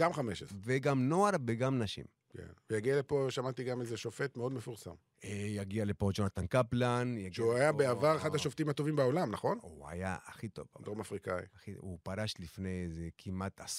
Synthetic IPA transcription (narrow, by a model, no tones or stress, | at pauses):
ɡamχameʃeveɡamno̞aɾbeɡamnaʃḭm | kʰḛnvejaɡialepoʃamat̪iɡamezeʃo̞fet̪meod̪mefuʁsa̰m | ejaɡialepoʃonat̪ankaplanjaɡuajabeavaʁeχad̪aʃoft̪imat̪o̞vimbao̞lamnaχo̞nua̰ja̰aχit̪o̞̰vdomafʁikaḭaχiupaʁaʃlifnejezekʰimat̪ʰas